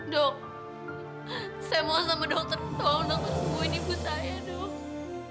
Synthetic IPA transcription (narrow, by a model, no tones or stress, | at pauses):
dɔk̚ | sajamaasamadɔŋ̚t̪ərt̪ɔŋdɔksəmuinipusajadɔk̚